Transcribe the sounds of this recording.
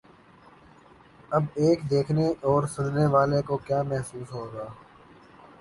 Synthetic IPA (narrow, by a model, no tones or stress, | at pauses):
ɐbeːkd̪eːkʰneɔːɾsʊnneʋaːlekokjaːmɛɦsuːsɦoːɡaː